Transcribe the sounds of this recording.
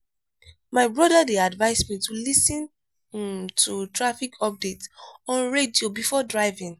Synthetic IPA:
maɪbɹɔdadeadvaɪsmitulisɔ̃n | tutɹafikʰɔp̚detɔ̃nɹediobifɔdɹaɪvĩŋ

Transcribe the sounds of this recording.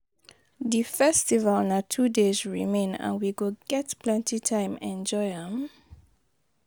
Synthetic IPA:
difɛstivəlnatʰudezɹimẽnã̰nwiɡoɡɛtpʰlɛ̃ntitʰãɪ̃mɛ̃nd͡ʒɔɪə̃m

